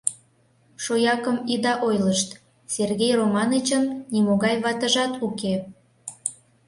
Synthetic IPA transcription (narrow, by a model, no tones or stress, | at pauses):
ʃojɑkəmid̪ɑʔojləʃt̪ | serɣejromɑnət͡ɕənnimoɣɑjβɑt̪əʒɑt̪uke